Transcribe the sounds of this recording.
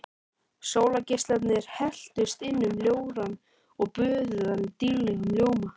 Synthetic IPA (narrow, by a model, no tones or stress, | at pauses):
soːwlacɪst̪lat̪nɪɾ̥hɛl̥t̪ʏst̪ɪnːʏmljoːwɾan | ɔɣpʏːðʏðanːɪt̪iɾlɛɣʏmljoːwma